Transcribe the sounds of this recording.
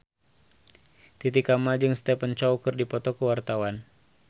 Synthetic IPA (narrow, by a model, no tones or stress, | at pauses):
t̪it̪ikamald͡ʒɨŋst̪ɛpəɲt͡ʃawkɨrdipɔt̪ɔkəwart̪awan